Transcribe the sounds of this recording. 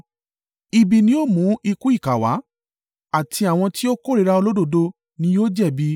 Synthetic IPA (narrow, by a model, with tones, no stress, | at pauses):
i˨bi˨nĩ˧˦o˦˨mũ˨˦i˧ku˦i˦˨ka˨wa̰˨˦ | a˦˨tʰi˧a˨w̃ɔ̃˧ti˦o˦ko˦˨ɾi˧ɾa˧o˧lo˦do˦˧˨do˧ | nĩ˧˦joː˦d͡ʒɛ˦˨bi˧